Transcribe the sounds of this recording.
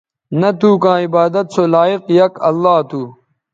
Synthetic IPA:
nɐt̪uːkãːibaːd̪ɐt̪̚sʰoːlaːiqjɐkɐlːaːt̪ʰuː

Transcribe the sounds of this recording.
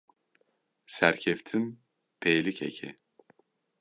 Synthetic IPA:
sæɾcʰeft̪ʰin | d̪̥ejlʲicʰḛcʰḭ

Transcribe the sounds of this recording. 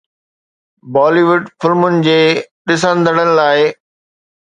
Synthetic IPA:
bɔːliʋʊɖfɪlmʊnɪ̆d͡ʑeːɗɪs̬ə̃nd̪ʱəɽ̃ənɪ̆laːɪ

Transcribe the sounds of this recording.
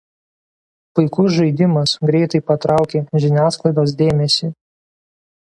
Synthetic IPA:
pʊɪkʊsʒɐɪd̪ʲɪmɐsɡɾʲɛɪt̪ɐɪpɐt̪ɾɑˑʊkʲeːʒʲɪnʲæːsklˠɐɪd̪oːs̬d̪ʲeːmʲɛsʲi

